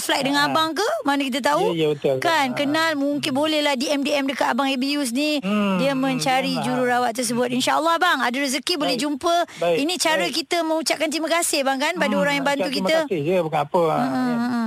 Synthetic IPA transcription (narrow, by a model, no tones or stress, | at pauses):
flajk̚dəŋanabaŋk̬əmanəkit̪ət̪̬aujbət̪olkankənalmuŋkɪnbolɛhlahdiɛmdiɛmdəkat̪abaŋebijus̬nidiəmə̃ɲt͡ʃaɾid͡ʒuɾuɾawat̪̚ːərs̬əbʊt̪̚inʃaʔəlːɔhbaŋadəɾəzəkibolɛhd͡ʒumpəinĩt͡ʃaɾəkit̪əmə̃ŋut͡ʃaʔ̚kant̪imakasɪhbaŋkanpadaoɾaŋjaŋbant̪uk̬iməd͡ʒəbəkaapəm̩ʔ